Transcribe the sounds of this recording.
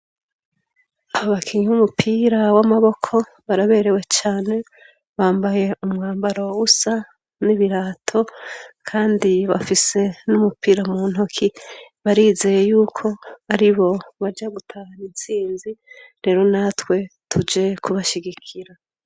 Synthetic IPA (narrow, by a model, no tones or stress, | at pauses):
aβakʰiɲumupʰiːɾawamaβo̞kʰo̞ | βaɾaβe̞ːɾe̞we̞t͡ʃaːne̞ | βaːmbaje̞umŋaːmbaɾo̞usa | niβiɾaːtʰo̞kʰaːndiβa̰fise̞numupiːɾamuːnhokʰiβaɾiːze̞je̞juːkʰo̞aɾiβo̞βaɾɟaɡutʰahanint͡siːnziɾe̞ɾo̞natwe̞tʰud͡ʒe̞kʰuβaʃiɡikʰiɾa